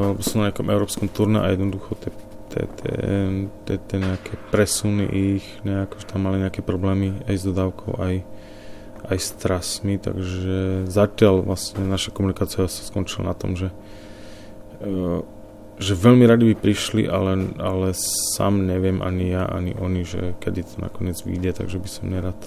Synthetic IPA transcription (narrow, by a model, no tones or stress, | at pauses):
ɛbɔsɔmnaɲɛakɔmʔɛʊɾɔːpskɔmt̪uɾnɛʔa̰jɛd̪nɔd̪uxɔt̪ɛ | t̪ɛ̰t̪ɛ̰t̪ɛt̪ɛɲɛakʰɛːpɾɛsunḭʔixɲɛakɔ̥ʒɛt̪amːaliɲɛakɛːpɾɔblɛːmiajzd̪ɔd̪aːʊkʰɔ̰ʊʔaj | ʔajst̪ɾasmit̪a̰ɡʒɛzacɪalʋlasɲɛnaʃakɔmunikaːt͡siasḁskɔnt͡ʃila̰nat̪ɔ̰mʒɛ | ʒɛʋɛʎmiɾad̪ibipɾiʃlḭʔalɛalɛsa̰ːmɲɛʋɪɛmʔa̰ɲijaʔa̰ɲiʔɔɲiʒɛ̰kɛd̪it̪ɔna̰kɔɲɪɛd͡zʋḭːɟɛt̪a̰ɡʒɛbisɔmɲɛɾaːt̪